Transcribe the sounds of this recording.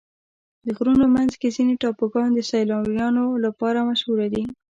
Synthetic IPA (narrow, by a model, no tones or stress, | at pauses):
d̪əɣɾunomanzkezineʈɑpəɡɑnd̪əsajlɑwjɑnolapɑɾamaʃhuɾad̪i